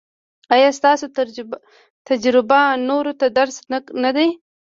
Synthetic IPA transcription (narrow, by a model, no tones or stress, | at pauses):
ajɑst̪ɑsot̪ | t̪ad͡ʒɾɪbanoɾot̪ad̪aɾsnaknad̪aj